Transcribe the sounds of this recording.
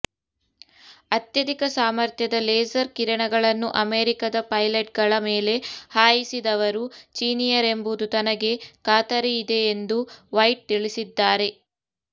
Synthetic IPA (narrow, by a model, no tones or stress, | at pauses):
ɐt̪jɐd̪ikɐsaːmɐɾt̪jɐd̪ɐleːsɐɾkiɾɐɳɐɡɐɭɐnːuʔɐmeːɾikɐd̪ɐpɐjleʈ̚ɡɐɭɐmeːle̞haːjisid̪ɐʋɐɾut͡ʃiːnijɐɾe̞mbud̪ut̪ɐnɐɡe̞kaːt̪ɐɾeid̪e̞ːnd̪uʋɐjʈ̚t̪iɭisid̪ːaːɾe̞